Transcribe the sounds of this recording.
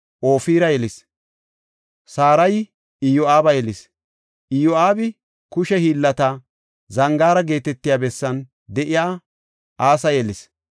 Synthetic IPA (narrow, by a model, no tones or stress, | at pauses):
ʔo̞ːfiːɾɐjɛlɪs | saːɾɐj | ɪjɔaːbɐjɛlɪs | ʔɪjɔaːbɪ | kʊʃɛhiːlːɐt̪ɐ | zɐŋɡaːɾɐɡe̞ːt̪ɛt̪ːɪjaːbɛsːɐn | d̪ɛʔɪjaː | aːsɐjɛlɪs